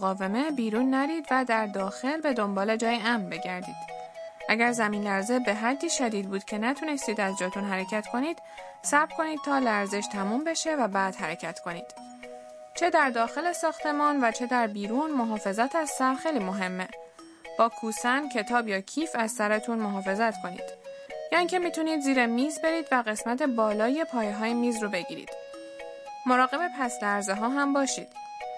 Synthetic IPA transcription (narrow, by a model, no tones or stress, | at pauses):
ɣɒːve̞me̞biːɾuːnːæɾiːd̪væd̪æɾd̪ɒːxe̞lbe̞d̪o̞mbɒːle̞d͡ʒɒːjeæmnbe̞ɟæɾd̪ḭːd̪̥ʔæɟæɾzæmiːnlæɾze̞be̞ɦæd̪ːiːʃæd̪iːd̪̚buːd̪̥cʲʰe̞næt̪ʰuːne̞st̪iːd̪æzd͡ʒɒːt̪ʰunɦæɾe̞cʰæt̪kʰo̞niːd̪̥ | sæbbkʰo̞niːd̪̥̚t̪ʰɒːlæɾze̞ʃt̪ʰæmumbe̞ʃe̞væbæːd̪̥hæɾe̞cʰæt̪kʰo̞niːd̪̥ | t͡ʃʰe̞d̪æɾd̪ɒːxe̞le̞sɒːxt̪ʰe̞mɒːnvæt͡ʃʰe̞d̪æɾbiːɾunmo̞ɦɒːfe̞zæt̪ʰæz̥sæɾxejliːmo̞ɦe̞mːe | b̥ɒːkʰuːsæncʰe̞t̪ʰɒːbjɒːcʰiːfæzsæɾet̪ʰunmoɦɒːfe̞zæt̪kʰo̞nḭːd̪̥jɒːiŋcʰe̞mit̪ʰuniːd̪ziːɾemiːzbe̞ɾiːd̪væɣe̞smæt̪ʰe̞bɒːlɒːje̞pʰɒːjeɦɒːjemiːzrobe̞ɟḭːɾḭːd̪̥ | mo̞ɾɒːɣe̞be̞pʰæslæɾzeɦɒːɦæmbɒːʃḭːd̪̥